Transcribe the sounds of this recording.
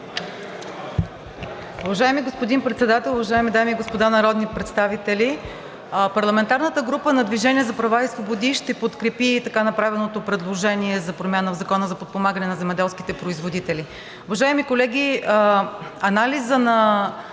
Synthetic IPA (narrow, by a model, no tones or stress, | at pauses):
uvɐʒaɛmiɡospod̪inpɾɛt̪sɛd̪at̪ɛlˠʊvɐʒaɛmid̪amiːɡospod̪anɐɾɔd̪nipɾɛt̪st̪avit̪ɛli | pɐɾlˠɐmɛnt̪aɾnət̪əɡɾupənɐd̪viʒɛnʲiɛzɐpɾɐvaisvobod̪iʃt̪ɛpot̪kɾɛpit̪ɐkanɐpɾavɛnot̪opɾɛd̪lˠoʒɛniɛzɐpɾomʲjanəvzɐkɔnəzɐpot̪̚pomaɡənɛnɐzɛmɛd̪ɛlˠskʲi̥t̪ɛpɾoizvod̪it̪ɛli | ʊvɐʒaɛmikolɛɡ̟ʲi | ɐnalizənɐ